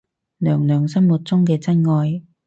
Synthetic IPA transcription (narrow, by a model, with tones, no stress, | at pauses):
lœː˨˩ŋlœː˨˩ŋsɐ˥nwu˨˩t̚t͡sʊ˥ŋkɛː˧t͡sɐ˥nŋɔː˧j